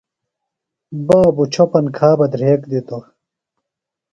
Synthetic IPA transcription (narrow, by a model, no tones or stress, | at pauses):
baːbut͡ɕʰopɐnkʰaːbɐd̪ɾeːkd̪it̪o